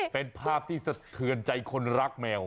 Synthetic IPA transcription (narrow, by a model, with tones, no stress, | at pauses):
pe˧npʰaː˥˩p̚t̪ʰiː˥˩sa˨˧˩t̪ʰɯ˧ənt͡ɕa˧jkʰo˧nɾa˦˥k̚mɛː˧w